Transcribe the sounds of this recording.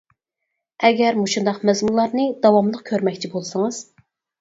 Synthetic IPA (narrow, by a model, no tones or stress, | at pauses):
ɛɡʲɛɾmuʃund̪ɑqmɛzmulˠːɑɾnɨd̪ɑwɑmlˠəq̚kʲʰøɾmɛkʲt͡ʃʰibolˠsɨŋɨz̥